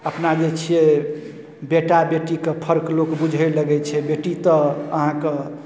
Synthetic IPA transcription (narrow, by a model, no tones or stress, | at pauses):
əpnad͡ʒet͡ʃʰie | beʈabeʈikepʰəɾklokbud͡ʒʱəjləɡɛt͡ʃʰɛbeʈit̪əəɦãke